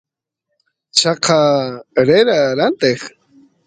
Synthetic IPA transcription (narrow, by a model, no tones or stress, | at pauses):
t͡ʃɑqʰɑɾeɾaɾant̪eχ